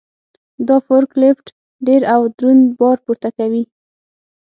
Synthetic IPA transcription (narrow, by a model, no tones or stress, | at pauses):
d̪ɑfoɾklɪfʈ | ɖeɾawd̪ɾunbɑɾpuɾt̪akawi